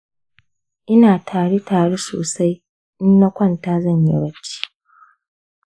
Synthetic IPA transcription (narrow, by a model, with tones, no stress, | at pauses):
ʔɪ˦naː˨tʰaː˨ɽe˦taː˨ɽe˦so̰ː˨sa˦j | ʔɪ˦nːɐ˦kʷɐ˦˨ntaː˦zɐ˦˨ɲjḭ˦ɽɐ˦t͡ʃi̥ː˦